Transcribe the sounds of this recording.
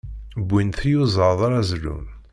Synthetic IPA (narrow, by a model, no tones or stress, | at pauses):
bʷːinθjuzˤəðˤaɾˤæzlṵm